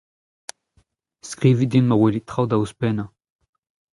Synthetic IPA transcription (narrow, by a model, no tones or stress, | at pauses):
skʁivid̪inmaʁwelit̪χawd̪auspɛnã